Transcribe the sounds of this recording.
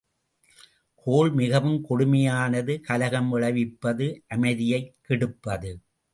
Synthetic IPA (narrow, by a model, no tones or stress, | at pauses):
kʰoːɭmɪɣɐʋɯmkɔɽʊmɐjaːnɐðɯkɐlɐɣɐmʋɪɭɐʋɪpːɐðɯʔɐmɐɪðɪjɐɪkːɪɽɯpːɐðɯ